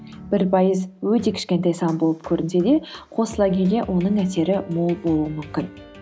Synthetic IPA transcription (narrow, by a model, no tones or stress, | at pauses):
b̥ɪɾpʰɑjəzwɵt̪e̞kʲʰɪ̥ʃkʲe̞nt̪ɑjsɑnbo̞lˠəp̚kʲʰɵɾɪnse̞d̪e̞qʰo̞səlˠɑɡʲʰe̞le̞ʔwʔo̞nəɴæse̞ɾɪmolˠbo̞lˠuwəmʏmkʲɪn